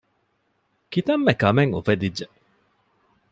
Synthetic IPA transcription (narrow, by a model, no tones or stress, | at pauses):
kit̪ɐmːekɐmeŋṵfed̪idʒe